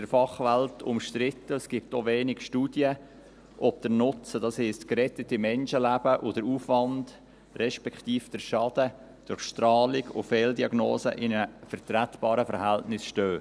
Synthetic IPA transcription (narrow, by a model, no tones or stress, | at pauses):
dəɾfɑχvæltʰʊ̰mʃtɾɪtːəsɡ̥ɪp̚toveːnɪɡʃtuːd̥jə | ʔɔb̚d̥əɾnʊt͡səd̥ɑshɛɪstkɾɛtətimɛnʃəlæb̥əʔʊdəɾuːfvɑnd | rɛʃpɛktiːfd̥əɾʃɑd̥ə | d̥ʊɾχʃtrɑːlɪɡʊ̰fɛːldiɑɡno̰ːsə̰ʔɪnəfəɾtɾætb̥ɑːɾəfəɾɦæltnɪsʃtøː